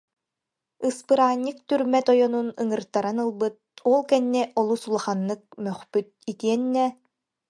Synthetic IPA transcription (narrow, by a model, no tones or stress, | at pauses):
ɯspɯɾaːɲʲːɯk̚t̪yɾmɛt̪ɔjɔnunɯŋɯɾt̪aɾanɯlˠbɯt̪̚ɔlˠkɛnːɛʔɔlˠusulˠaχanːɯk̚mœχpyt̪̚it̪iɛnːɛ